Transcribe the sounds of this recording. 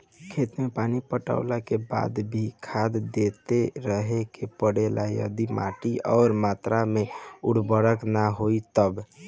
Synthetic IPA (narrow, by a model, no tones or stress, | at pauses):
kʰet̪mepanipəʈa̰ʊlakeba̰d̪bʱikʰad̪d̪et̪eɾəɦekepəɽelajə̰d̪ima̰ʈiɔːɾmat̪ɾameuɽbəɾəknaɦoit̪əb